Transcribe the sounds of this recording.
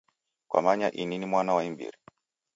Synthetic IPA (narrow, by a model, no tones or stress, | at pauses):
kwa̰maɲaʔininimwanawaimbḭɾi